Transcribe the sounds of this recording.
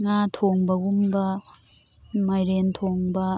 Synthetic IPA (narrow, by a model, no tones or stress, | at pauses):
ŋatʰoŋbɐɡumbɐ | majɾentʰoŋbɐ